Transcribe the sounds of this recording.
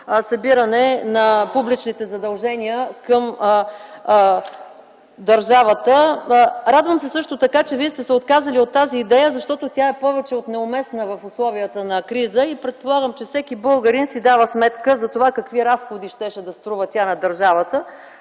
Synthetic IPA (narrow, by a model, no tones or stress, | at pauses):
sɐbiɾənɛnɐpublit͡ʃnit̪ɛzɐd̪ɐlˠʒɛniəkəm | d̪əɾʒavət̪ə | ɾad̪vəmsɛsɤʃt̪ot̪ɐkat͡ʃɛviɛst̪ɛsɛot̪̚kazəliot̪ːaziːd̪ɛjəzɐʃt̪ɔt̪ot̪ʲjaɛpɔvɛt͡ʃɛot̪nɛomɛsnəvɐfʊslˠɔviət̪ənɐkɾizəipɾɛt̪̚polˠaɡəmt͡ʃɛfsɛkibɤlˠɡəɾinsid̪avəsmɛt̪kəzɐt̪ovakɐkviɾasxod̪iʃt̪ɛʃɛd̪ɐst̪ɾuvət̪ʲanɐd̪əɾʒavət̪ə